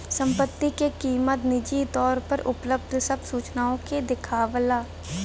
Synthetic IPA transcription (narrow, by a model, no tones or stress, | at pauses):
sə̃mpət̪ːikekiːmət̪nɪd͡ʒit̪ɔːɾpəɾʊpləb̚d̪ʱsəbsuːt͡ʃnaːõked̪ɪkʰaːʋəlaː